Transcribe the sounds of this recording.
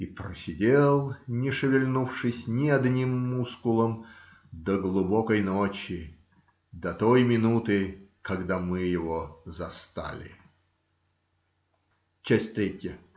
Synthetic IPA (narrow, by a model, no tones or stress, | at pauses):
ipɾəsʲɪdʲelˠnʲɪʂɨvʲɪlʲnufʂɨsʲnʲɪɐd̪nʲimːuskʊlˠəm | d̪əɡlˠʊbokəjnot͡ɕɪ | d̪ɐt̪ojmʲɪnut̪ɨkɐɡd̪amɨjɪvozɐst̪a̰lʲɪ̰ | t͡ɕæsʲt̚ʲt̪ɾʲetʲjə